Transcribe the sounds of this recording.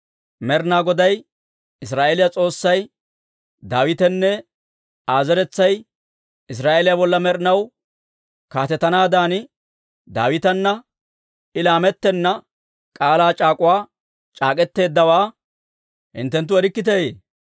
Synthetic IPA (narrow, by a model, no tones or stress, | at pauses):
mɛɾnaːɡɔd̪ɐj | ɪs̬ɾaːʔelɪjɐt͡sʼo̞ːsːɐj | d̪aːwɪt̪ɛnːɛ | aːzɛɾɛt͡sːɐj | ɪs̬ɾaːʔelɪjabɔlːɐmɛɾnɐw | kaːt̪ɛt̪ːɐnaːd̪aːnɪ | d̪a̰ːwɪt̪ɐnːɐ | ɪlaːmɛt̪ːɛnːɐ | kʼaːlaːt͡ʃʼaːkʼʊwaː | t͡ʃʼaːkʼɛt̪ːe̞ːd̪ːɐwaː | hɪ̰nt̪ːɛnt̪ːʊɛɾɪkːɪt̪̬ɛjḛː